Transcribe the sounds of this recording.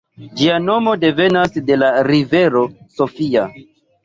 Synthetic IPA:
d͡ʒiano̞mo̞de̞ve̞nasde̞laɾive̞ɾo̞so̞fia

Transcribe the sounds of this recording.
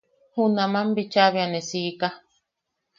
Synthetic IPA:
hunãmãmbit͡ʃaβianesika

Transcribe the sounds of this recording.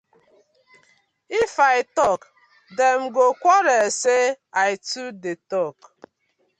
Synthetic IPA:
ifaɪtɔk | dem̩ɡokʷɔɾese | aɪtudetɔk

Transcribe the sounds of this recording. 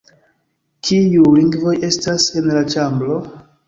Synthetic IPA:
kʰijuliŋɡvo̞je̞stase̞nlat͡ʃamblo̞

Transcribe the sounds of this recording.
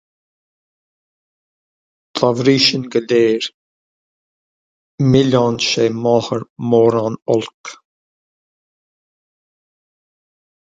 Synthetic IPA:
tʰavɾiːʃənɡəleːɹ | mɪlɑnʃeːmɔhəɹmɔːɾanɔlk

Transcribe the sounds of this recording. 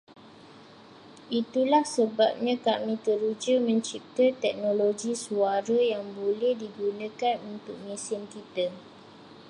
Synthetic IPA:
ʔit̪ulahsəbap̚ɲãkamĩt̪əɾud͡ʒəmə̃ɲt͡ʃip̚t̪ət̪ɛk̚noloɡisuaɾəjaŋbolɛhdiɡunə̃kanunt̪ʊk̚mĩsɪnkit̪ə

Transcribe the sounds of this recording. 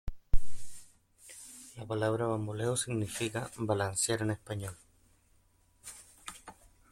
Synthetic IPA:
lapalaβɾaβambulewsiɣnifikabalansjaɾenespaɲol

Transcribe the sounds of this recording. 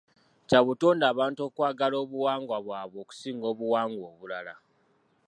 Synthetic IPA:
caβutoːndaːβaːnto̞ːkwaːɡalo̞ːβuwaːŋɡwaβwaːβwo̞ːku̥siːŋɡo̞ːβuwaːŋɡwo̞ːβulala

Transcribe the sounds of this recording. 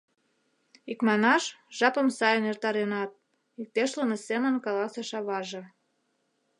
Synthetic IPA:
ikmɑnɑʃʒ̥ɑpə̆msɑjənert̪ɑɾenɑt̪̚ | ik̚t̪eʃlənesemə̆nkɑlɑseʃɑβɑʒĕ

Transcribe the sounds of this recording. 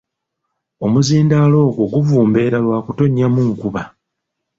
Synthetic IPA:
o̞muziːndaːlo̞ːɡwo̞ɡuvuːmbe̞ːɾalwaːkuto̞ɲːamuŋkuβa

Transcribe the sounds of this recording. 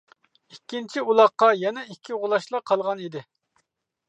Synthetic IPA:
ikʲːint͡ʃʰiulˠɑqːɑjɛnɛikʲʰːiʁʊlˠɑʃlˠɑqʰɑlˠʁɑnid̪ɪ

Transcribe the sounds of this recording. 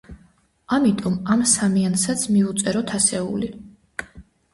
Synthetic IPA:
amit̪ʼɔmamsamiansat̪sʰmiut̪sʼɛɾɔt̪ʰasɛṵli

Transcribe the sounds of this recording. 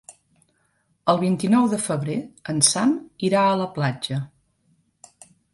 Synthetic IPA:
əlˠβ̞int̪inɔwðəfəβɾeənsamiɾaələplad͡ʒə

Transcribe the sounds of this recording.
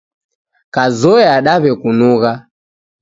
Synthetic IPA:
kazɔɛaɗaβɛkunuɣa

